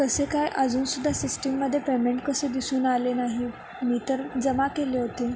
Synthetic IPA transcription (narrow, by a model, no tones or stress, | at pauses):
kəsekajʔəd͡zuːnsud̪ʱːasisʈəmːəd̪ʱːjepemeɳʈkəsed̪isuːnalenaɦi | miːt̪əɾd͡zəmakeleɦot̪e